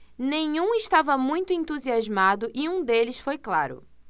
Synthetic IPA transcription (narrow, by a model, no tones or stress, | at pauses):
nẽj̃ũɪʃt̪avɐmũj̃t̪ʊẽnt̪uziazmad̪ʊʔiũd̪elɪsfojklaɾʊ̰